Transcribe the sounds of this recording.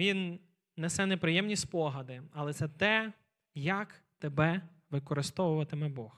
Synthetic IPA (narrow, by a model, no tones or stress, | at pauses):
ʋʲinː | ɛsɛnepɾɪjɛmnʲisʲpɔɦɐd̪ɪɐlˠɛt̪sɛt̪ɛ | jɐkt̪ebɛ | ʋɪkɔɾɪst̪ɔʋʊʋɐt̪ɪmɛbɔx